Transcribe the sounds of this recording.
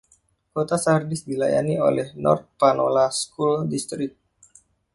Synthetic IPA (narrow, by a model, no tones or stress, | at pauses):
kot̪asahərdɪsdilaja̰nio̰lɛhnɔ̰rt̪̚panolaskuldist̪ɾɪk̚t̪̚